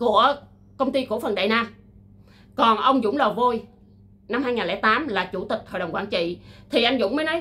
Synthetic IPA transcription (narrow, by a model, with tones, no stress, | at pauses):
ku˧˩ə | kə˧wŋ͡mt̪i˧ku˧˩əfə˨˩nɗa̰ː˧˨jnaː˧ | kɔ˨˩nʔə˧wŋ͡mzʊ̰˧˥ŋ͡mləː˨˩vo˧j | na˧mhaː˧jŋaː˨˩lɛː˧˨˧t̪aː˨˦mlaː˨˩t͡ɕu˧˩t̪ï˨˩k̟̚h̪ʰo̰˧˨ɗə˨˩ŋ͡mkwaː˧˩nt͡ɕḭ˧˨t̪ʰi˨˩ʔa˧jŋ̟zʊ̰˧˥wŋ͡mməː˨˦nɔ˨˦j